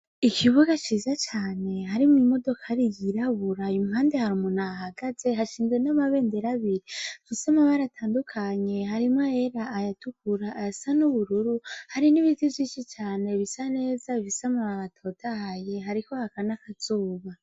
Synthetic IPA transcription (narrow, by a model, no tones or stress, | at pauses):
ikʰiβuɡat͡ʃizat͡ʃaːne̞ɦaɾimuimo̞do̞kʰaɾijiɾaβuɾaumuɦaːnde̞haɾumunaːɦaɡaze̞ɦaʃiːnwenamaβe̞ːnde̞ɾaβiɾivisamaβaɾatʰaːndukʰaɲe̞haɾimae̞ɾaːjatʰukuɾaːjasanuβuɾuɾuhaɾiniβitivjiːʃit͡ʃaːne̞βisane̞ːzavisamaβaβatʰo̞tʰahaje̞ɦaɾiko̞hakanakaz̥uːβa